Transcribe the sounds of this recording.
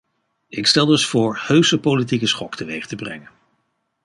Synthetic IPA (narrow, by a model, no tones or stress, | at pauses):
ɪkstɛlˠdɵsfʊːɹhøɥsəpolit̬ikəsχɔktəʋejχə̥təbrɛ̰ŋən